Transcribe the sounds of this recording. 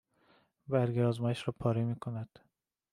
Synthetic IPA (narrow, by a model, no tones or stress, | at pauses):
bæɾɡiɒːzmɒːjeʃɾɒːpʰɒːɾemiːkʰonæd̪̥